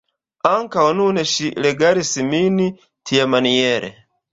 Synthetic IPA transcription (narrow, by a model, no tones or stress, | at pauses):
aŋkaɔnunɛʃilɛɡaɾisimini | tʰijamanijɛɾɛ̰